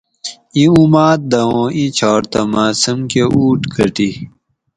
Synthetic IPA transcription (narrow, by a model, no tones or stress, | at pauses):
ĩumaːt̪̚d̪ɐõːʔit͡ɕʰɔːɾt̪ɐmaːsəmkeuːʈkʰəʈi